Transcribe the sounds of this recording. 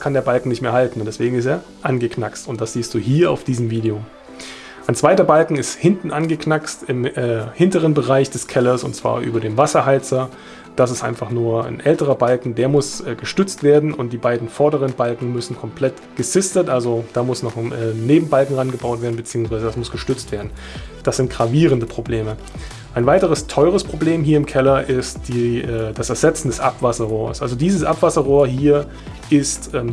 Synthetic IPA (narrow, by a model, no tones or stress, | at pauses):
skʰandeɐbalkŋ̩nɪçtmeːɐhaltn̩ʊntd̥ɛsv̥eːɡŋ̩ɪsteːɐ | ʔanɡəknakstʊntd̥asz̥iːstd̥uːɦiːɐa̰ʊfd̥iːzəmviːdeoː | ʔaɪnt͡sv̥aɪtɐbalkŋ̩ɪsthɪntn̩ʔanɡəkʰnakstɪmɛhɪntəʁ̞ənbəʁaɪçd̥ɛskʰɛlɐsʊ̰ntt͡sv̥a̰ːɐʔy̰ːbɐdeːmvasɐɦaɪt͡sɐ | d̥asɪstʔa̰ɪnfaχnuːɐa̰nʔɛltəʁ̞ɐbalkŋ̩deːɐmʊsʔɛːɡ̥əʃtʏt͡stv̥eːɐdn̩ʔʊnt̚d̥iːbaɪdn̩fɔɐdəʁ̞ənbalkŋ̩mʏsn̩kʰɔmpʰl̥ɛt | ɡ̥əsɪstətʔalzod̥aːmʊsnɔχmɛːneːbm̩balkŋ̩ʁanɡəbaʊtv̥eːɐn̩bət͡siːʊŋsv̥aɪzədasmʊsɡ̥əʃtʏt͡stv̥eːɐdn̩ | d̥asz̥ɪnt̚ɡ̥ʁaviːʁ̞əndəpʁ̥obleːmə | ʔaɪnvaɪtəʁ̞əstʰɔʏʁ̞əspʁ̥obleːmɦiːɐɪmkʰɛlɐʔɪstd̥iɛːd̥asɛɐzɛt͡sn̩dɛsʔapv̥asɐʁɔːɐsʔalzodiːzəsʔapv̥asɐʁɔːɐhiːɐ | ʔɪstʔɛːm